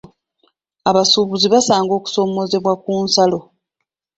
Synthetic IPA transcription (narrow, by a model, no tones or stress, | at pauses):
aβasuβuziβasaːŋɡo̞ːku̥so̞ːmo̞ze̞βwakuːnsalo̞